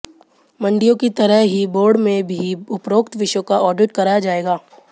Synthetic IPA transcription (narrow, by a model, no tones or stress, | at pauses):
mɐ̃ɳɖijõkit̪ɐɾəɦɦiboːɾɖmẽbʱiʊpɾoːkt̪ʋɪʃõkaʔɔːɖɪʈkɐɾaːjad͡ʒaːeːɡaː